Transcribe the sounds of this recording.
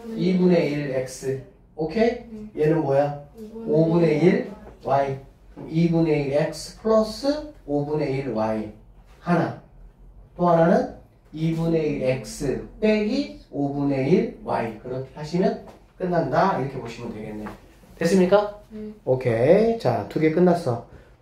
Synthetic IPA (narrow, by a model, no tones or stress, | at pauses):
ibune̞iɾek̚s͈ɯ | okʰejenɯnmojaobune̞iɾwai | ibune̞iɾek̚sɯ̥pʰɯɭos͈ɯobune̞iɾwai | hana | t͈oɦananɯn | ibune̞iɾek̚s͈ɯt͈eɡiobune̞iɾwa̰ikɯɾʌkʰesʰaɕʰinɯn | k͈ɯnːandaiɾʌkʰe̞boɕʰimɯndwe̞ɡe̞nːe̞jo | twes͈ɯmɲik͈aokʰet͡ɕa̰tuɡe̞k͈ɯnːas͈ʌ